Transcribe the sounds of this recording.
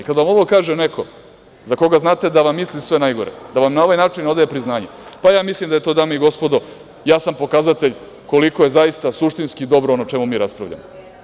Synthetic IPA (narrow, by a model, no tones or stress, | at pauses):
ikad̪aʋamo̞ʋo̞kaːʒenekʰo̞ | zako̞ɡaznaːt̪e̞d̪aʋamːislisʋe̞najɡo̞ɾḛd̪aʋamnaoʋajnaːt͡ʃino̞d̪ajepɾiznaːɲepajaːmislimd̪ajet̪oːd̪amaiɡo̞spo̞d̪o̞ | jaːsampo̞kazat̪eʎ | ko̞liko̞je̞zaist̪asuʃt̪inskiːd̪o̞bɾoonot͡ʃe̞mumiːɾaspɾa̰ʋʎa̰mo